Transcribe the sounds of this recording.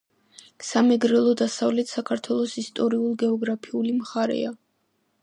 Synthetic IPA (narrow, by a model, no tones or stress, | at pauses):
samɛɡɾɛlˠɔd̪asavlɛt̪ʰsakʰaɾt̪ʰwɛlˠɔsist̪ʼɔɾiulˠɡɛɔɡɾapʰiulimχaɾɛ̰a